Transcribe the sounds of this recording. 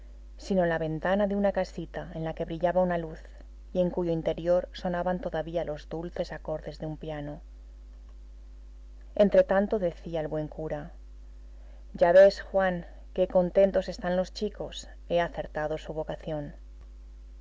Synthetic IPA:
sino̞laβe̞nt̪anaðeunakasit̪ae̞nlake̞βɾiʎaβaunaluθ | ie̞ŋkuʝo̞int̪e̞ɾjo̞ɾso̞naβant̪o̞ðaβialo̞zðulθe̞sako̞ɾðe̞zðeumpjano̞ | e̞nt̪ɾe̞t̪ant̪o̞ðe̞θiaelβwe̞ŋkuɾa | ɟ͡ʝaβe̞sxwaŋ | ke̞ko̞nt̪e̞nt̪o̞se̞st̪anlo̞st͡ʃiko̞s | e̞aθe̞ɾt̪aðo̞suβ̞o̞kaθjo̞n

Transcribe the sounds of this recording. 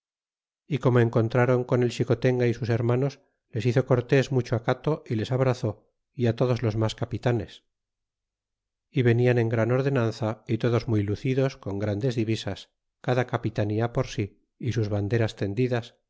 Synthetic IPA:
iko̞moeŋko̞nt̪ɾaɾo̞ŋko̞ne̞lt͡ʃiko̞t̪e̞ŋɡaisuse̞ɾmano̞s | le̞siθo̞ko̞ɾt̪e̞zmut͡ʃoakat̪oile̞saβ̞ɾaθo̞ | iat̪o̞ðo̞zlo̞zmaskapit̪ane̞s | iβe̞niane̞ŋɡɾano̞ɾðe̞nãnθait̪o̞ðo̞zmujluθiðo̞sko̞ŋɡɾand̪e̞zðiβisas | kaðakapit̪aniapo̞ɾsiː | suzβand̪e̞ɾast̪e̞nd̪iðas

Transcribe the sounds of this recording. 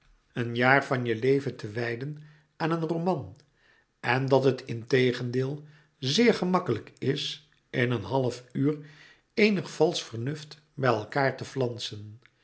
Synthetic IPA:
ənjaːɹvɑnjəlejvəntʰəʋɛjdən | aːnənrowmɑn | ʔɛndɑtɦətʰɪntejχəndɪːlˠ | zɪːɹχəmɑkələkɪs | ʔɪnənɦɑləfyːr | ejnəχfɑlˠsfəɹnɵft | bɛjɛlˠkaːɹtəflɑnsən

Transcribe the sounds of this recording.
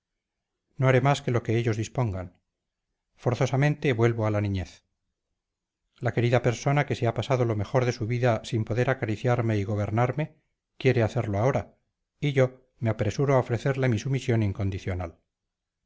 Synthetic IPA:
no̞aɾemaske̞lo̞ke̞eʎo̞zðispo̞ŋɡan | fo̞ɾθo̞samẽ̞nt̪e̞βwe̞lβoalanĩɲe̞θ | lake̞ɾiðape̞ɾso̞nake̞seapasaðo̞lo̞me̞xo̞ɾðe̞suβiðasimpo̞ðe̞ɾakaɾiθjaɾme̞iɣo̞β̞e̞ɾnaɾme̞ | kje̞ɾe̞aθe̞ɾlo̞ao̞ɾa | iʝo̞ | meapɾe̞suɾoaofɾe̞θe̞ɾle̞misumisjo̞niŋko̞nd̪iθjo̞nal

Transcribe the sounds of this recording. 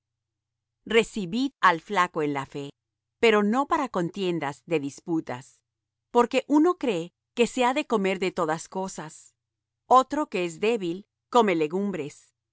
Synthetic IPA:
re̞siβiðalflako̞enlafe̞ | pe̞ɾo̞no̞paɾako̞nt̪je̞nd̪azðe̞ðisput̪a̰s | po̞ɾke̞ʔuno̞kɾe̞ | ke̞se̞aðe̞ko̞me̞ɾðe̞t̪o̞ðasko̞sas | o̞t̪ɾo̞ke̞ezd̪e̞βil | ko̞me̞le̞ɣumbɾe̞s

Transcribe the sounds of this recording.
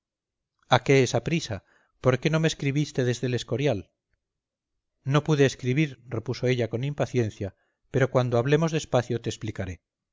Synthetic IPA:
ake̞esapɾisa | po̞ɾke̞no̞meskɾiβist̪e̞ðe̞zðe̞le̞sko̞ɾjal | no̞puðe̞ːskɾiβiɾre̞puso̞e̞ʎako̞nimpaθje̞nθja | pe̞ɾo̞kwand̪oaβle̞mo̞zðespaθjot̪eːsplikaɾe̞

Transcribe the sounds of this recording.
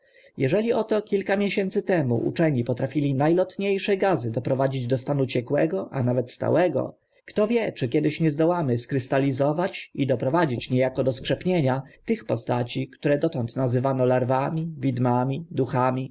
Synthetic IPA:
jɛʐɛlʲiɔt̪ɔkʲilkamʲjeɕɛnt̪sɘt̪ɛmṵʔṵt͡ʂɛɲipɔt̪ɾafʲilʲinajlɔt̪ɲejʂɛɡazɘd̪ɔpɾɔvad͡ʑid͡ʑd̪ɔst̪anut͡ɕɛkwɛɡɔʔanavɛt̪st̪a̰wɛɡɔ̰ | kt̪ɔvʲjɛt͡ʂɘkʲɛd̪ɘɕɲɛzd̪ɔwamɘskɾɘst̪alʲizɔvat͡ɕid̪ɔpɾɔvad͡ʑit͡ɕɲɛjakɔd̪ɔskʂɛpɲeɲat̪ɘxpɔst̪at͡ɕikt̪uɾɛd̪ɔt̪ɔnt̪nazɘvanɔlaɾvamʲivʲid̪mamʲid̪uxamʲi

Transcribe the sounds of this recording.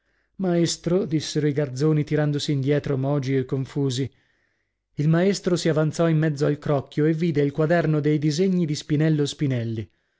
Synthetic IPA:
maest̪ɾod̪isːeɾoiɡard̪zoːnit̪iɾand̪osiːnd̪jɛːt̪ɾomɔːd͡ʒiekːoɱfuːzi | ilmaest̪ɾosiavant̪sɔimːɛd̪zːoalkɾɔkːjoevːiːd̪eilkwad̪ɛrnod̪ejd̪izeɲːid̪ispinɛlːospinɛlːi

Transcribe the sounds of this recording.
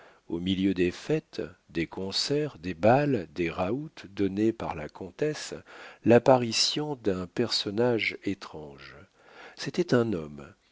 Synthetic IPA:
omiljød̪efɛt̪d̪ekɔ̃sɛʁd̪ebald̪eʁaut̪d̪ɔnepaʁla̰kʰɔ̃t̪ɛslapaʁisjɔ̃d̪ɛ̃pɛʁsɔnaʒet̪χɑ̃ʒ | set̪ɛt̪ɛ̃nɔm

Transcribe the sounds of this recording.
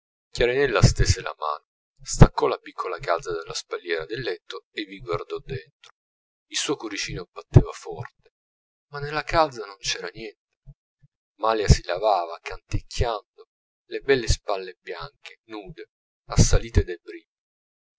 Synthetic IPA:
kjaɾinɛlːast̪eːsela̰ma̰ːno | st̪akːɔlapikʰːolakazad̪elːaspalːjɛːɾad̪elːɛt̪ːoevːiɡward̪ɔd̪ːent̪ɾo | ilsuːojkoɾit͡ʃiːnobat̪ːeːvafɔrt̪e | manːelːakad̪zanont͡ʃɛːɾanjɛnt̪e̥ | maljasilavaːvakant̪ikʰːjand̪o | lebɛlːespalːebjaŋk̟enuːd̪e | asːaliːt̪ed̪ebɾibi

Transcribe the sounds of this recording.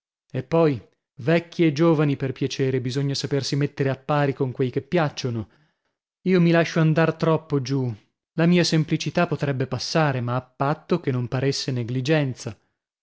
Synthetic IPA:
epːɔj | vɛkʲːied͡ʒoːvaniperpjat͡ʃeːɾebizoɲːasapersimet̪ːeɾeapːaːɾikoŋkwejkepːjat͡ʃːono | iːomilaʃːoand̪art̪ɾɔpːod͡ʒu | lamiːasemplit͡ʃit̪apːot̪ɾɛbːepasːaːɾemaːpːat̪ːokenːompaɾesːeneɡlid͡ʒɛnt̪sa

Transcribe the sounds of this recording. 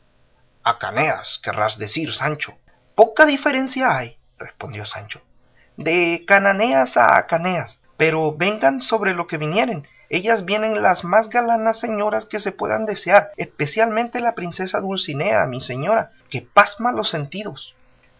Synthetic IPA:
aka̰nea̰ske̞̰ra̰zðe̞siɾsant͡ʃo̞̥ | po̞kaðife̞ɾe̞nsjaaj | respo̞nd̪jo̞sa̰nt͡ʃo̞̥ | d̪e̞kanane̞asa̰a̰kane̞as | pe̞ɾo̞be̞ŋɡanso̞βɾelo̞ke̞βinje̞ɾe̞n | e̞ʝazβje̞ne̞nlazmazɣalanasːe̞ɲo̞ɾaske̞sepwe̞̰ða̰nd̪e̞seaɾespe̞sjalmẽnt̪e̞lapɾinse̞saðulsinea̰mise̞ɲo̞ɾa | ke̞pazmalo̞sːe̞nt̪iðo̞s

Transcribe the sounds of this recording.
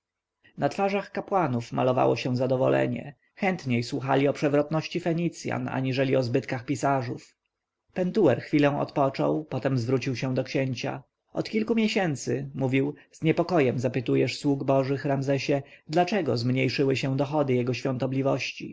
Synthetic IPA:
nat̪faʐaxkapwanufmalɔva̰wɔɕɛ̃zad̪ɔvɔlɛ̰ɲɛ̰ | xɛnt̪ɲejswuxa̰lʲiɔpʂɛvɾɔt̪nɔɕt͡ɕifɛɲit̪sʲja̰na̰ɲiʐɛlʲiɔzbɘt̪kaxpʲisaʐuf | pɛnt̪uwɛɾxfʲilɛ̃w̃ɔ̰t̪pɔt͡ʂɔ̰wpɔt̪ɛmzvɾut͡ɕiwɕɛ̃d̪ɔkɕɛɲt͡ɕa̰ | ɔt̪kʲilkumʲjɛɕɛnt̪sɘmuvʲiw | zɲɛpɔkɔjɛmzapɘt̪ujɛʂswuɡbɔʐɘxɾamzɛɕɛd̪lat͡ʂɛɡɔzmɲejʂɘwɘɕɛw̃d̪ɔxɔd̪ɘjɛɡɔɕfʲjɔ̃nt̪ɔblʲivɔɕt͡ɕḭ

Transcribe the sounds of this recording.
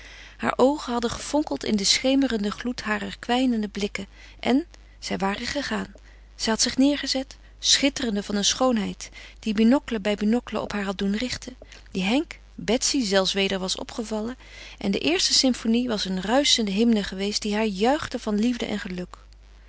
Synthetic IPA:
ha̰ːɹʔowχənɦɑdəχəfɔŋkəlˠtɪ̰ndəsχejmərəndəχlutɦaːrəɹkʋɛjnəndəblɪkə | ʔɛn | z̥ɛjʋaːrəχəχaːn | z̥ɛjɦɑtsɪχnɪːɹχəzɛt | sχɪtərəndəvɑnənsχownɦɛjtd̥ibinɔkləbɛjbinɔkələ̰ʔɔ̰pɦaːɹɦɑt̚dunrɪχtəndiɦɛŋk | bɛtsizɛlˠfsʋejdəɹʋɑsɔ̰pχəvɑlə | ʔɛndə̰ʔɪːɹstəsɪmfoniʋɑsənrœɥsəndəɦɪmnəχəʋejstd̥iɦaːɹjœɥχdəvɑnlivdəʔɛ̰nχəlɵk

